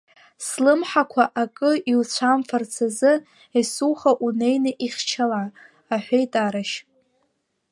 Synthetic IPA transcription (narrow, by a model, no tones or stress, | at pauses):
slɨmħakʷʰaʔakʼɨiwt͡sʷʰamfart͡sʰazɨ | esuχaʔune̞jnɨʔiχʲt͡ʃʰala | aħʷejtʼaɾaʃ